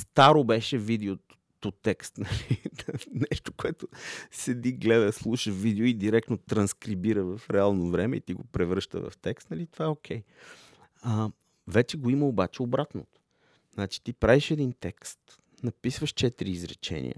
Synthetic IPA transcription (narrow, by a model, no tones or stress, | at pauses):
st̪aɾobɛʃɛvid̪ɛo | t̪ot̪ɛkst̪nɐlinɛʃt̪okoɛt̪osɛd̪iɡlɛd̪əslˠuʃəvid̪ɛoid̪iɾɛk̚t̪not̪ɾɐnskɾibiɾəvɐfɾɛalˠnovɾɛmɛ̰ḭt̪iɡopɾɛvɾɤʃt̪ə̰vɐ̰ft̪ɛkst̪nɐlit̪ovaɛok̟ʰɛj | ə | vɛt͡ʃɛɡoiməobat͡ʃɛobɾat̪not̪o̥ | znat͡ʃi̥t̪ipɾaviʃɛd̪int̪ɛkst̪ | nɐpisvəʃt͡ʃɛt̪ɾiːzɾɛ̰t͡ʃɛ̰nḭə̰